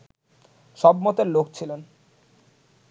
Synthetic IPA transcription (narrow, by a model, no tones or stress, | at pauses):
ʃɔbmɔt̪eɾlok̚t͡ɕʰilen